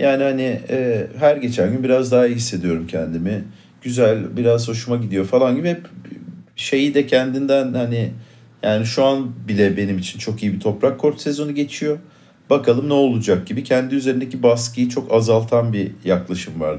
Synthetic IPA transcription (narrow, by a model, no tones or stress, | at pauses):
jaːnihanɪɛːɦæɾɟe̞t͡ʃʰænʲɟynbiɾazd̪aɦaɦisːe̞d̪ijo̞ɾumcʰɛnd̪imɪ | ɟ̥yzælʲbiɾazho̞ʃumaɟid̪ijo̞falˠanɟibi | ʃe̞jid̪ɛcʰɛnd̪ind̪ænhani | jaːniʃuanbilʲɛbe̞nimit͡ʃʰint͡ʃʰo̞kijibit̪ʰo̞pɾakʰːo̞ɾt̪se̞zo̞nuɟe̞t͡ʃʰijo̞ | b̥akʰalˠɯmnɛo̞lˠud͡ʒak̚ɟibicʰɛnd̪iyzeɾind̪ecibaskɯjit͡ʃʰo̞kazalˠt̪ʰanbijaklˠaʃɯmva̰ɾd̪